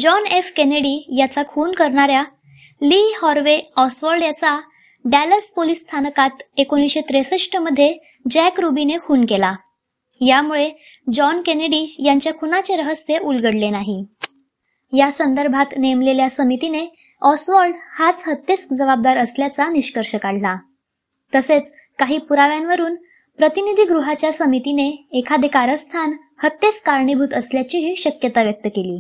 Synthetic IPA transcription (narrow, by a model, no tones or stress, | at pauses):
d͡ʑɔnefkeneɽijat͡sakʰuːnkəɾɳaɾja | lihɔɾʋeɔsʋəɾɖjat͡sa | ɖæləspolisːt̪ʰanəkat̪ekoñiɕet̪ɾesəʂʈəməd̪ʱːje | d͡ʑɛkɾubinekʰuːnkela | jamuɭed͡ʑɔnkeneɽijaɲt͡ɕjakʰunat͡ɕeɾəɦəsjeʔulɡəɽlenaɦi | jasənd̪əɾbʱat̪nemleljasəmit̪ine | ɔsʋɔɾɖhat͡shət̪ːet͡sd͡zəʋab̚d̪aɾəsljat͡saniɕkəɾɕəkaɽ̤la | t̪əset͡s | kaɦiːpuɾaʋjanʋəɾuːn | pɾət̪inid̪ʱiːɡɾuɦat͡ɕjasəmit̪ineːkʰad̪ekaɾəst̪ʰan | hət̪ːet͡skaɾɳibʱuːt̪əsljat͡ɕiɦiːɕəkjət̪aʋjək̚t̪əkeliː